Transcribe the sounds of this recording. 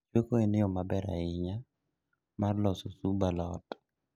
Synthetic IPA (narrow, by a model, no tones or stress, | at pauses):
t͡ʃwekoenɪɔmabɛɾa̰ɪɲa | marlɔsɔsubalɔt